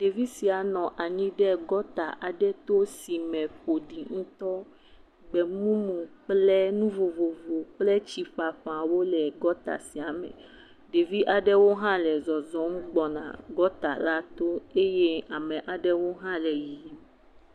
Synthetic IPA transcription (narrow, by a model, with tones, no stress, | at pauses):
ɖe˨vi˦si˨a˨nɔ̃˨ʔa˨ɲĩ˦ɖɛ˦ɡɔ˦t̪a˨ʔa˨ɖɛ˦t̪o˦si˨mɛ̃˨ɸo˨ɖi˨ŋũ˦t̪ɔ˦ | ɡ͡bɛ˨mũ˦mũ˨k͡plɛ˦nũ˦vo˨vo˨vo˨k͡plɛ˦t͡ɕi˨ɸa˨ɸa˨wo˦lɛ˨ɡɔ˦t̪a̰˨si˨a˨mɛ̰̃˨ | ɖe˨vi˦ʔa˨ɖɛ˦wo˦ɦã˦lɛ˨zɔ˨zɔ̃˦m˦ɡ͡bɔ˨nã̰˨ɡɔ˦t̪a̰˨la˦t̪o˦e˦je˦a˨mɛ̃˨ʔa˨ɖɛ˦wo˦ɦã˦lɛ˨ji˨˦m˨